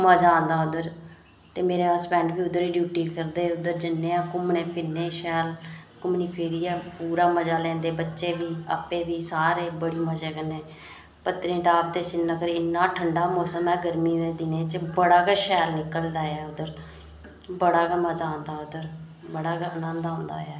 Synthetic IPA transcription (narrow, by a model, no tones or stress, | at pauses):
məd͡ʒãːnd̪aːʊd̪əɾ | t̪eːmeːɾeːaːspɛ̃ːɳɖbiːʊd̪əɾiːɖjuːʈiːkəɾd̪eːʊd̪əɾd͡ʒɪnːẽːãːkʊmneːpʰɪnːeːʃɛːlkʊmniːpʰeːɾiːɛːpuːɾaːməd͡ʒaːlɛ̃ːnd̪eːbətːʃeːʋiːə̰peːʋiːsaːɾeːbəɽiːməd͡ʒeːkəneː | pət̪ːɾĩːʈaːp̚d̪eːsɪnːəkəɾɪnːãːʈʰəɳɖaːmoːsəmɛ̃ːɡəɾmiːneːd̪ɪneːt͡ʃbəɽaːkəʃɛːlnɪkːəld̪aːɛːʊd̪əɾ | bəɽaːkəməd͡ʒaːõːnd̪aːʊd̪əɾ | bəɽaːkənənd̪ãːnd̪a̰ːɛː